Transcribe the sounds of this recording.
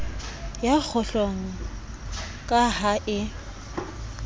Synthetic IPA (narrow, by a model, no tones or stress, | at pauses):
jak͡xʰʊɬoŋ̩ | kʼahaʔɪ